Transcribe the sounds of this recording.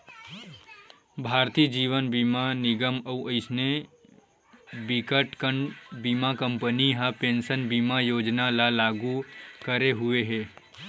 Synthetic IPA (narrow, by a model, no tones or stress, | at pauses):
bʱaɾt̪id͡ʒiʋənbimaniɡəməuʔəɪsne | bikəʈkəɳɖbimakəmpəniɦəpensənbimajod͡ʒnalalaɡukəɾeɦueɦe